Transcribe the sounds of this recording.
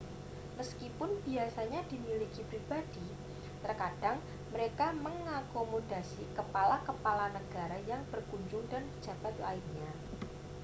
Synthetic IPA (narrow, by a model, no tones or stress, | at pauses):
məskipʊnb̥iasaɲadimilikipɾib̥ad̥i | t̪ərkad̥aŋ | məɾekaməŋakomodasikəpalakəpalanəɡ̥aɾajaŋb̥ərkuɲd͡ʒʊŋdand͡ʒʒ̥a̤b̥at̪la̰ɪrɲa